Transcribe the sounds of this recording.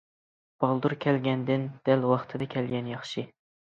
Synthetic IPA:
b̥ɑlˠd̪uɾkʲʰɛlɡʲɛnd̪ɪnd̪̥ælwɑχt̪ʰɨd̪ɑkʲʰɛlɡʲɛnjɑχʃɨ

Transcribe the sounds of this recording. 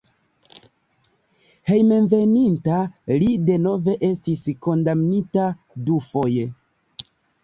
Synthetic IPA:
he̞jme̞nve̞nintalide̞no̞ve̞ʔe̞stisko̞ndamnita | dufo̞je

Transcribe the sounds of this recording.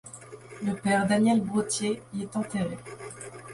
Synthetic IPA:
ləpɛʁd̪anjɛlbʁot̪jeiɛt̪ɑ̃t̪eʁe

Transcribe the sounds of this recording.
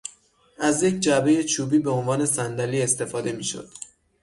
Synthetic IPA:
ʔæzje̞cʰd͡ʒæbe̞je̞t͡ʃʰuːbiːbe̞o̞nvɒːne̞sænd̪æliːest̪e̞fɒːd̪e̞miːʃo̰d̪̥

